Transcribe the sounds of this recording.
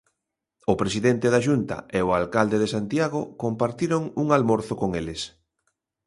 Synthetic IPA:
ʊpɾesiðent̪eðaʃunt̪ɐ̰ʔeoalkald̪eðesant̪jaɣ̞okompaɾt̪iɾoŋuŋalmoɾθokoŋelɪs

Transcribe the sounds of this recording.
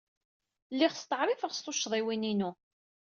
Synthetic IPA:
lːiχst̪əʕɾˤifəʁst̪oʃðˤiwininu

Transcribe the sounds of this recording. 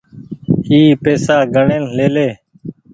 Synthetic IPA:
hiːpeːsaːɡʱəɳeːnleːleː

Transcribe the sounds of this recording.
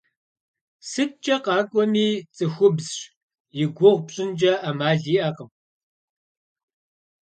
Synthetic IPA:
sɨt̚t͡ʃʼɐqɑːkʷʼɔmiːt͡sʼɨxʷʊbzɕ | jɪɡʷʊʁʷpɕʼɪnd͡ʒɐʔamaːɮiːʔɐqəm

